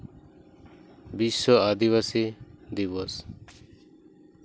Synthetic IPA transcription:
bisɔad̪iβasid̪iβɔs

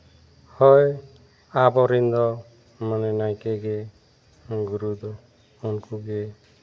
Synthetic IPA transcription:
hɔj | abɔɾind̪ɔ | manɛnajkeɡe | ɡuɾud̪ɔ | unkuɡe

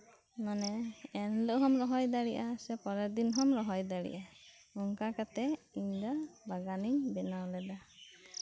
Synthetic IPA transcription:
manɛɛnləʔɦɔmɾɔɦɔjd̪aɽiʔasɛpɔɾɛd̪inɦɔmɾɔɦɔjd̪aɽḭʔa | ɔŋkakat̪ɛ | iɲd̪abaɡaniɲbɛnawlɛd̪a

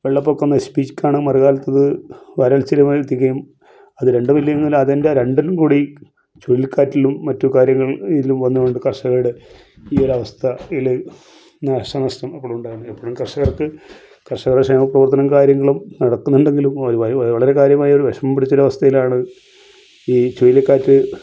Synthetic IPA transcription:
ʋeɭːɐpːokːunːɐspiːt͡ɕːkːaːɳɨmɐriɣaːlɐt̪ːɐðɨʋɐɾɐlt͡ɕilɐmt̪iɣɐjum | ɐðɨɾe̞ɳɖɨʋilːɐjnːilɐðendeɾe̞ɳɖinumkuːɽi | t͡ɕoɻilkaːtːilumːɐtːukaːɾjɐŋːɐɭilumʋɐnːukoɳɖɨkɐrʂɐɣɐɭɨɽe | io̞ɾɐʋɐst̪ʰɐil | naːʂɐnɐstɐmɐpːoɭumuɳɖaːjɐɳːɨepːoːɭumkɐrʂɐɣɐrkɨ | kɐrʂɐɣɐrɽʂɐnːɐprɐʋɐrt̪ɐnɐmkaːɾjɐŋːɐɭumnɐɽɐkːunːuɳɖe̞ŋɡilumɐʋɐɭɐɾe̞kaːɾjɐmaːjɐo̞ɾuʋeʂɐmɐmpiɽit͡ɕːuɾɐʋɐst̪ʰɐjilaːɳɨ | iːt͡ɕojilkːaːtːɨ

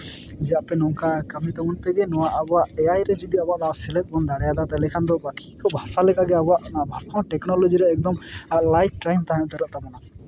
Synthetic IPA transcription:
d͡ʒɛjaʔpɛnɔkakamit̪ɔmɔnpɛɡɛnɔwaʔabɔaʔɛajɾɛd͡ʒɔd̪iabɔaʔnaasɛlɛt̪̚ˀbɔnd̪aɽɛjad̪at̪ɛlɛkʰand̪ɔbaki̥kɔbʱasalɛkʼaɡɛabɔaʔnabʱasaɦɔ̃ʈɛknɔlɔd͡ʒiɾɛːk̚d̪ɔmaʔlajp̚ʰʈajmt̪aɦajɔ̃ʔt̪ɛɾɔʔt̪amɔna

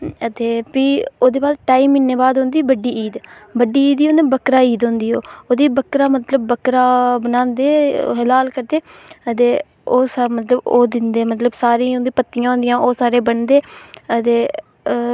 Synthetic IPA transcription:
ət̪eːpiːoːd̪eːbaːsʈaːiːmːiːneːbaːd̪ɦʊ̃nd̪iːbəɖːiːiːd̪bəɖiːiːd̪iːɦõnd̪ebəkɾaːiːd̪ɦõːnd̪iːɦoːoːd̪iːbəkɾaːmət̪ləbːəkɾaːbənãːnd̪ḛːɦəlaːlkəɾd̪eːət̪eː | oːsamət̪ləboːd̪ɪnd̪eːmət̪ləbsaːɾẽːɦõnd̪iːpət̪ːijãːɦʊ̃nd̪ɪjãːʔoːsaːɾeːbəɳd̪eːət̪eː

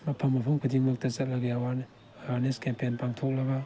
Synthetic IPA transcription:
mɐpʰɐmːɐpʰumkʰudiŋmɐk̚tɐt͡ʃɐt̚laɡiawan | aɡaɾneskempenpaŋtʰok̚lɐɡɐ

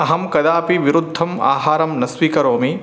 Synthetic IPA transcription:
ɐɦɐmkɐd̪aːpiʋiɾud̪ʱːɐma̰ːɦaːɾɐmnɐsʋiːkɐɾoːmi

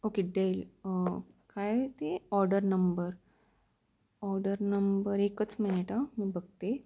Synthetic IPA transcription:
okeɖail | kajt̪eɔɾɖəɾnəmbəɾ | ɔɾɖəɾnəmbəɾekət͡smineʈamiːbəɡ̚t̪e

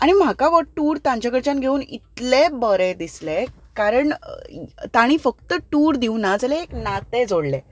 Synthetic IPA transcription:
aɽ̃im̤akaʋəʈuːɾt̪ãɲt͡ɕakəɾt͡ɕanɡʱeuːnḭt̪lebəɾed̪isle | kaɾəɳ̰ | t̪aɽ̃ifəkt̪əʈuːɾd̪iunad͡zəlẽːknat̪ed͡zoɽle

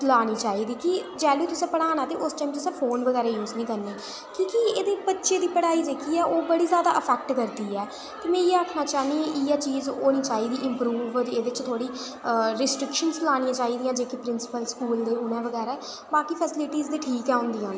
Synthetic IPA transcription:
laːniːt͡ʃaːiːd̪iːkɪd͡ʒɛːloiːt̪ʊsẽːpəɽaːnaːt̪eːʔʊsʈaːiːmt̪ʊsɛ̃ːpʰoːnʋəɣɛːɾaːjuːznĩːkəɾneː | kĩːkieːd̪eːbətːʃeːd̪iːpəɽaːiːdeːkʰiːɛːoːbəɽiːzjaːd̪aːʔəpʰɛːk̚ʈkəɾd̪iːɛː | t̪eːmɛ̃ːjeːaːkʰnaːt͡ʃaːniʔijaːt͡ʃiːzoːniːt͡ʃaːɦiːd̪iːʔɪ̃mpɾuːʋɾeːd̪ɪt͡ʃt̪ʰoːɽiː | ɾɪsʈɾɪkʃənzlaːɽĩjãːt͡ʃaːiːd̪ijãːd͡ʒeːkipɾɪnsɪ̥pəlskuːld̪eːʊnɛ̃ːʋəɡɛːɾaɛː | baːkiːpʰəsɪlɪʈiːzd̪eːʈʰiːkɛːʊ̃nd̪iːãː

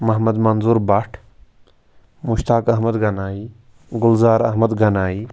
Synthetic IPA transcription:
mɐɦmɐd̪mɐnzuːɾbɐʈʰ | mʊʃt̪aːkɐɦmɐd̪ɡɐnaːiː | ɡʊlzaːɾɐɦməd̪ɡɐnaːiː

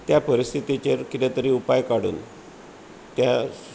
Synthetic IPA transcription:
t̪japəɾist̪ʰit̪it͡ɕeɾkit̪ɛt̪əɾiupajkaɽṵːn | t̪ja

